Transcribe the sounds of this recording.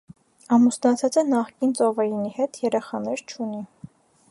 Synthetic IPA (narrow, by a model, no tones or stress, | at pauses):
ɑmusnɑt͡sʰɑt͡sənɑχkint͡sɔvɛjinihɛt̪ʰjɛɾɛχɑnɛɾt͡ʃʰuni